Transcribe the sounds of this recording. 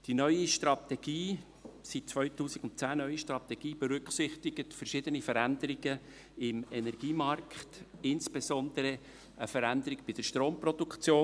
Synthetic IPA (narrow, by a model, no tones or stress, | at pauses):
d̥inœʏiʃtɾɑt̪ɛɡ̥iː | sit̚t͡sʋœʏɥtuːsiɡʊntt͡sæːnœʏiʃtrɑt̪ɛɡ̥iːb̥ɛɾʏkχsɪχt̪ɪɡ̥ətfəɾʃɪd̪ənifəɾænd̪əɾiɡə | ɪmɛnɛɾɡ̥iːmɑɾkχtɪnsb̥esɔnd̪əɾə | əfəɾænd̪əɾɪɡb̥ɪd̥əɾʃtɾoːmpɾɔdukt͡sjoː